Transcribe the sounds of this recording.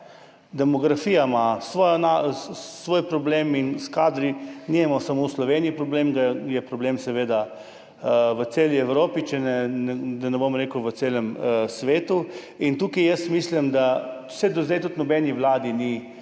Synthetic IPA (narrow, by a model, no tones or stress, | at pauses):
d̪ɛmɔɡɾafiːjamasʋɔnasʋoːjpɾɔbleminskaːd̪ɾiniɛmasamoslɔʋeniipɾɔbleːmɡajɛpɾɔblemsɛʋeːd̪a | ʋətseːliɛwɾoːpit͡ʃɛnɛnɛd̪anɛbomɾekʊʋət̪seːlɛmsʋeːt̪u | int̪uːkɐjəst̪mislimd̪ḁ | sɛd̪ɔzd̪ɛjt̪ut̪nɔbɛniʋlaːd̪ini